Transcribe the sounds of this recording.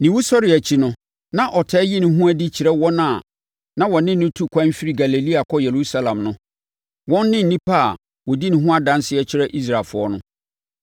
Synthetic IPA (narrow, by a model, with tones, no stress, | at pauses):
nɪ̃˨wu˦sɔ˦ɾɪ˨æ˨t͡ɕʰi˨˦nʊ̃˦ | nã˦ʔɔ˨tʰɛ˦ji˦nʊ̃˨ɦũ˦æ˦dɪ˦t͡ɕʰi˨ɾɛ˦wɔ˦nã˦˨ | nã˦wɔ˨nɪ̃˦n˨nʊ̃˦tʰu˦kʷʰã˦m˦fi˦ɾi˦ɡa˨le˨li˦a˨kʰɔ˦jɛ˨ɾu˦sa˦lã˨mnʊ̃˦ | wɔ̃˦nː˦ɪ̃˦n̩˨nĩ˦pʰa˦˨ | wɔ˨di˦nɪ̃˨ɦʊ̃˦a˦dã˦nsɪ˦ɛ˦t͡ɕʰɪ˦ɾɛ˦ʔi˦s̬ɾa˨lfʊ˨ɔ˦nʊ̃˦